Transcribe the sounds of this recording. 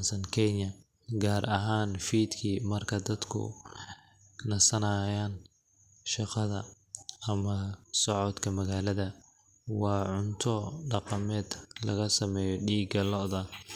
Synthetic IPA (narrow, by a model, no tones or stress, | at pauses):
nsɐnkʰɛnjɐ | ɡaːɾʔɐɦaːnfiːd̪kʰiːmɐrkʰɐd̪ɐd̪kʰʊ̰ | nɐsɐnɐːjaːn | ʃɑqɑðɐ | ɐmɐsɔʕɔd̪kʰɐmɐɣaːlɐðɐ | wɑːʕʊnt̪ʰɔɖɑqɑmɛːd̪lɐ̰ɣɐsɐmɛːjɔɖiːɡɐlɔðɐ